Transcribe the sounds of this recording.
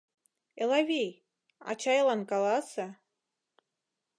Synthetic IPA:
elˠavʲej | a̰t͡ʃʰajlˠankalˠasa

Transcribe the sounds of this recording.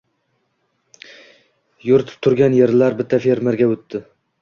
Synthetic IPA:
joɾɪt̪ʰɪ̥p̚t̪ʰʊɾɡʲanje̞ɾlaɾbɪt̪ʰːafeɾmɪɾɡʲaɵt̪ʰːɪ

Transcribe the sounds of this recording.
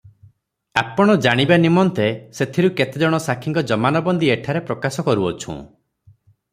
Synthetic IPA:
a̰pɔɽ̃ɔd͡ʒaɽ̃ibanimɔnt̪eset̪ʰiɾuket̪ed͡ʒɔɽ̃ɔsakʰĩŋkɔd͡ʒɔmanɔbɔnd̪ieʈʰaɾepɾɔkasɔkɔɾuɔt͡ʃʰṵ̃

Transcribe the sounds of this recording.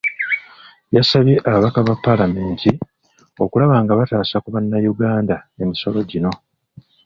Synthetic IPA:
jasaβjeʔaβaβakaβapːalame̞ːnti | o̞kulaβaːŋɡaβataːsakuβanːajuɡaːndae̞miso̞lo̞ɟino̞

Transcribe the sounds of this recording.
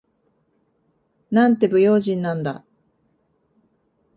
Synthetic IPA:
nãnt̪e̞bɯ̟jo̞ːʑĩnːãnd̪a̰

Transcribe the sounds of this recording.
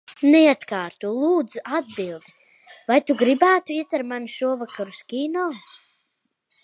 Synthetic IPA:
nɛat̪kaːɾt̪ulˠuːd̪zuad̪̚bilˠd̪i | vajt̪uɡɾibæːt̪uiɛt̪aɾmanuʃuɔvakaɾuskʲiːnɔː

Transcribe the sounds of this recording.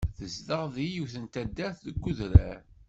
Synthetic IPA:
ðəzðəʁðijuθənt̪æd̪ːæθðəɡʷːuðɾæ̰ɾ

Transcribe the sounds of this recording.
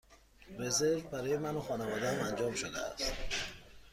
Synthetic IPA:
re̞zeɾvbæɾɒːjemænoxɒːnevɒːd̪ææmænd͡ʒɒːmʃod̪ḛæ̰st̪

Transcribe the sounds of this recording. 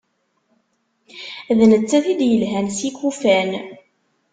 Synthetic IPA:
ðnət͡sːæθid̪jəlɦænsikːufæn

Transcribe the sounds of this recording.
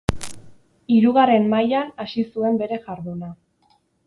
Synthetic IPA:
iɾuɣare̞mːajanasisue̞mbe̞ɾe̞ʝaɾðuna

